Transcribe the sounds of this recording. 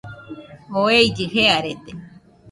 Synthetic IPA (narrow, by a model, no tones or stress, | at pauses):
oejd͡ʒiheaɾet̪e